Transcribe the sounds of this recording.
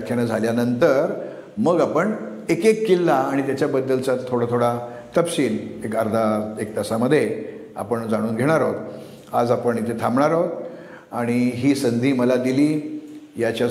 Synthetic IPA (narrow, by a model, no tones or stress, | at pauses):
kʰːjanad͡zʱaljanənt̪əɾ | məɡapəɳ | ekekːilːaːɽ̃it̪jat͡ɕjabəd̪ːəlt͡sat̪ʰoɽat̪ʰoɽa | t̪əpsiːlekəɾd̪ʱaek̚t̪əsaməd̪ʱːjea̰pəɳd͡zaɽ̃uːnɡʱeɽ̃aɾɔt̪ | a̰d͡zapəɳit̪ʰet̪ʰamɳaɾɔt̪ | aɽ̃iɦiːsənd̪ʱiːməlad̪iliːjat͡ɕa